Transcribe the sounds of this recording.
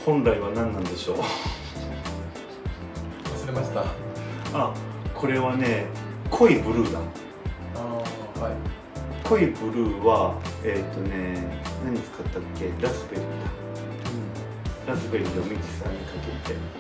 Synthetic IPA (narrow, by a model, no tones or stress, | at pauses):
hõ̞nɾaiβanãnːãnd̪e̞ɕo̞ː | asɾeaɕt̪a | akʰo̞ɾe̞βane̞kʰo̞ibɯ̟ɾɯ̟ːd̪a̰no | a | a | kʰo̞ibɯ̟ɾɯ̟ːβaet̪ːo̞ne̞naɲ̟it͡sɨ̥kat̪ːakːe̞ɾasɨbe̞ɾɯ̟d̪a | ɾasɨbe̞ɾɯd̪omid͡ʑi̥sã̰ɲ̟ːikaket̪e̞